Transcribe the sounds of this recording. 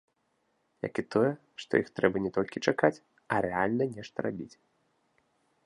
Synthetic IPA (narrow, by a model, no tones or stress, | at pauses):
ja̰kit̪ɔjɛ | ʂt̪ɔ̰jixt̪ɾɛbɐnʲɛt̪ɔlʲkʲit͡ʂakat͡sʲ | ɐɾɛalʲnɐnʲɛʂt̪ɐɾabʲḭt͡sʲ